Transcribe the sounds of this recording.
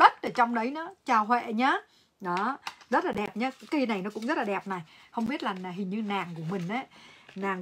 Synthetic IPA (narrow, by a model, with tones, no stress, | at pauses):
ɗə˦˥t̚ʔəː˧˩t͡ɕɔ˧wŋ͡mɗə˨˦jnɔ˨˦t͡ɕaː˧whwḛ˧˨ɲaː˨˦ | ɗɔ˨˦zə˦˥t̚laː˨˩ɗɛ˨˩p̚ɲaː˨˧˦kːaː˨˦i˧na˨˩jnɔ˨˦kʊ̰˧˥ŋ͡mzə˦˥t̚laː˨ɗɛ˨˩p̚na˨˩jhə˧wŋ͡mɓi˦˥ət̚laː˨˩naː˨˩ɦï˨˩ŋ̟ɲɨ˧naː˨˩ŋku˧˩əmï˨˩ŋ̟ʔə˨˦naː˨˩ŋ